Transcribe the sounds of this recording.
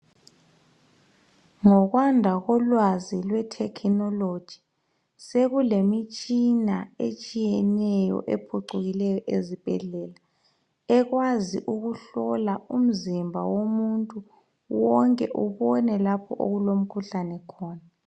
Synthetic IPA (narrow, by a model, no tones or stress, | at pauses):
ŋɔɣwandʱaɣɔlwazilwɛtʰɛkʰnɔlo̥ʒ̥ʱi̥ | seɣulemit͡ʃʼinaet͡ʃʼijɛnɛjɔ̰ʔepʰuǁuɣilɛjɔʔezib̥ʱɛɮɛːla | ɛɣwaziʔuɣuɬɔlaum̩zimbʱa̰womuntʼu | wɔŋkʼɛʔuβɔnɛlapʰɔʔo̰ɣulom̩kʰuɬanɛkʰɔːna